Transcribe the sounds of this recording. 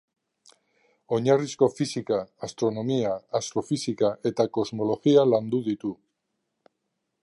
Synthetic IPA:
o̞ɲarisko̞fisikaːst̪ɾo̞no̞miaːst̪ɾo̞fisikaʔe̞t̪ako̞zmo̞lo̞ɣialand̪uðit̪u

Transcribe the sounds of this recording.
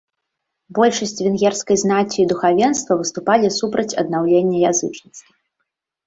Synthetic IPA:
bɔlʲʂɐsʲt͡sʲvʲɛnɣʲɛrskɐjznat͡sʲːiːd̪uxavʲɛnst̪vɐvɨst̪upalʲisupɾɐt͡sʲɐ̰d̪nawlʲenʲːɐjazɨt͡ʂnʲit̪st̪vɐ

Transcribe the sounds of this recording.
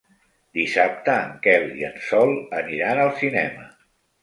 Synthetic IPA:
d̪isap̚t̪əːŋkɛliənsɔlˠəniɾanəlˠsinɛmə

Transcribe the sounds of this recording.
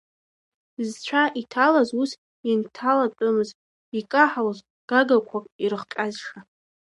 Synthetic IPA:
zt͡ɕʷʰaʔitʰalazus | intʰalat͡pʼʊmɨz | ikʼaħawaz | ɡ̥aɡakʷʰakʷʼiɾɨχkʲʼazʂa

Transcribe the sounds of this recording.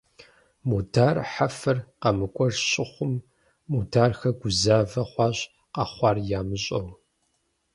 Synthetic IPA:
modaːrħafɐrqɐmɨkʷʼɔʒɕʼɪχʷʊmː | odaːrxɐɡʷʊzaːvɐχʷɑːɕ | qɐχʷɑːrjaːmɨɕʼɐw

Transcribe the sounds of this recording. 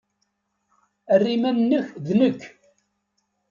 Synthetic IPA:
ərːimænːəçðnəkː

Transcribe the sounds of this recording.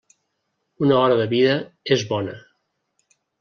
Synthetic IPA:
unəɔɾəðəβiðəezβɔnə̰

